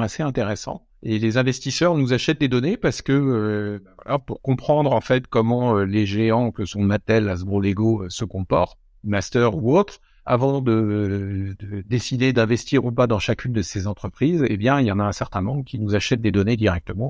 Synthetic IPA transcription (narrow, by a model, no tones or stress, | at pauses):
aseɛ̃t̪eʁɛsɑ̰̃ | elezɛ̃vɛst̪isœʁnuzaʃɛt̪̚d̪ed̪ɔnepaʁsə̥kəølɔ̰puʁkɔ̃pχɑ̃d̪ʁɑ̃fɛt̪kɔmɑ̃øleʒeɑ̃kəsɔ̃mat̪ɛlazbʁoleɡoøsəkɔ̃pɔ̰ʁt̪ | mast̪œʁuot̪χ | a̰vɑ̃d̪ə | d̪əd̪esid̪ed̪ɛ̃vɛst̪iʁupad̪ɑ̃ʃakʲʰynd̪əsezɑ̃t̪χəpχizebjɛ̃iljɑ̃naɛ̃sɛʁt̪ɛ̃mɑ̃bʁkʲinuzaʃɛt̪̚d̪ed̪ɔned̪iʁɛk̚t̪əmɑ̃